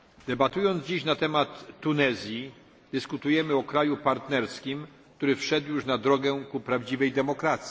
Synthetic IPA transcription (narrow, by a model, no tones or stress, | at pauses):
d̪̥ɛbat̪ujɔnd̪zd͡ʑiɕnat̪ɛmat̪ːunɛzʲji | d̪̥ɘskut̪ujɛmɘɔkɾajupaɾt̪nɛɾskʲim | k̚t̪uɾɘfʂɛd̪wjuʂnad̪ɾɔɡɛkupɾavd͡ʑivɛjd̪ɛmɔkɾat̪sʲi̥